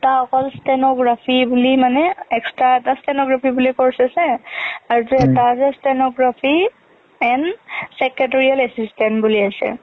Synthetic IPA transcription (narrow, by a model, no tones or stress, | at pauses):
taɔkɔlstɛnɔɡɹapʰibulimanɛɛkstɹaɛtastɛnɔɡɹapʰibulikɔɹsasɛaɹutɛtazɛstɛnɔɡɹapʰi | ɛnsɛket̬ɔɹialɛsistɛntbuliajsɛ̰